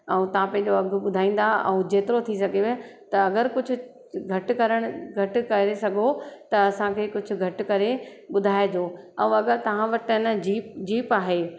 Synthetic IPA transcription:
ɛ̃ũt̪ɐʋ̤ãpɐ̃ɪ̃ɲ̆d͡ʑoɐɡʱʊ̆ɓʊd̪ʱaːĩːn̆d̪aɛ̰̃ũd͡ʑeːt̪ɪɾot̪ʰisɐɡʱeʋet̪ɐːɡəɾkʊd͡ʑʱʊ̆ | ɡʱɐʈ̆kɐɾəɽ̃ʊɡʱɐʈkɐɾesɐɡʱot̪ɐːsãkʰeːkʊd͡ʑʱʊ̆ɡʱɐʈɪ̆kɐɾeɓʊd̪ʱaːed͡ʑ̪oː | ɛ̃ũɐɡəɾt̪ɐʋ̤ãʋɐʈɪnəd͡ʑiːpd͡ʑiːpaːɦe

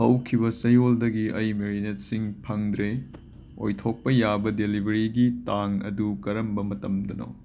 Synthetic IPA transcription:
hɐwkʰibɐsɐjoldɐɡiʔɐjmeɾinet̚siŋpʰɐŋdɾe | o̰jtʰok̚pɐjabɐdelibʱɐɾiɡitaŋɐ̰dukɐɾɐmbɐmɐtɐmdɐno̰

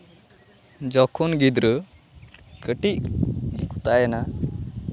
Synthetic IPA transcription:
d͡ʒɔkʰunɡid̪ɾə | kəʈiʔɡikʰu̥t̪ajɛna

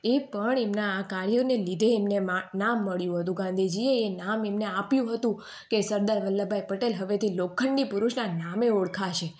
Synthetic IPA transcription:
epəɳemnaːkaɾjonelid̪ʱeːmnemanamːəɭjũɦət̪ũɡãnd̪ʱid͡ʒieːnamemneapjũɦət̪ũ | kesəɾd̪aɾʋəlːabʱajpəʈelɦəʋet̪ʰilokʰːəɳːipʊɾuʃnanameoɽkʰaʃe

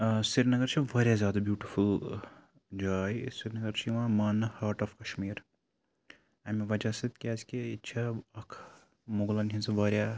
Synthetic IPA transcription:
siɾnɐɡɐɾt͡ʃʰiʋaːɾjazʲjaːd̪abjuːʈiful | d͡ʒaːjsiɾnɐɡɐɾt͡ʃʰiʋãːmɐːnhaːɾʈɔːfkɐʃmiːɾ | ɐmʋɐd͡ʒaːsɐt̪kʲaːzkeitːt͡ʃʰaɐkʰ | moɡlɐnɦĩnsɐʋaːɾja

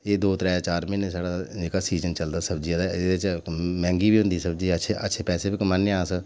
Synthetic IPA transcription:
eːd̪oːt̪ɾɛːt͡ʃaːɾmɪnsaːɽaːd͡ʒeːkaːsiːzənt͡ʃəld̪aːsəbd͡ʒijãːd̪aːɪd̪et͡ʃmɛ̃ːŋɡiːbiːɦʊ̃nd̪iːsəb̚d͡ʒiːəʃʰeʔə̰tːʃʰeːpɛːseːbɪkːmənːãːs

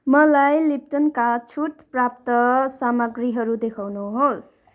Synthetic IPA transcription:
mʌlajlip̚ʈ̪ʌnkat͡sʰuʈprap̚t̪ʌsamʌɡriɦʌɾud̪ekʰawnuɦos

